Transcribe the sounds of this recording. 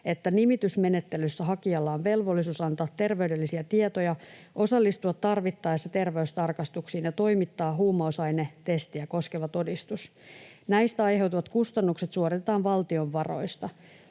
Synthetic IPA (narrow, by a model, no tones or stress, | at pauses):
et̪ːænimit̪ysme̞ne̞t̪ːelysːæɦɑkiɑlːɑːnʋe̞lʋo̞lːisuːsɑnt̪ɑːt̪ːe̞rʋe̞ydelːisiæt̪iet̪ojɑ | ʔo̞sɑlːist̪uɑt̪tːɑrʋit̪ːɑːjsːɑt̪e̞rʋeyst̪ɑrkɑst̪uksiːnjɑt̪o̞jmit̪ːɑːɦuːmːɑosɑjnet̪e̞st̪ijɑko̞ske̞ʋɑt̪o̞dist̪us | næjst̪æɑjɦe̞wt̪uʋɑt̪kust̪ɑnːukset̪suorit̪et̪ɑːnʋɑlt̪io̞ʋʋɑro̞̰ist̪ɑ